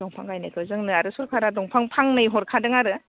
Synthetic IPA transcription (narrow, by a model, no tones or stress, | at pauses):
ɔŋpʰaŋajnɯkʰɯzɯŋnɯaɾɯsuɾkʰaɾadɔŋpʰaŋpʰaŋnɯjɦɔɾkʰadɯŋaɾɯ